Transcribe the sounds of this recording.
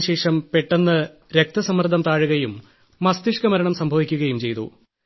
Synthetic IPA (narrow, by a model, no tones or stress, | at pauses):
ɕe̞ːʂɐmpe̞ʈːenːɨ | ɾe̞k̚t̪ɐsɐmɐrd̪ʱɐmt̪aːɻuɣɐjumː | ɐst̪iʂkɐmɐɾɐɳɐmsɐmbʱɐʋikʲːuɣɐjumt͡ɕe̞jt̪ṵ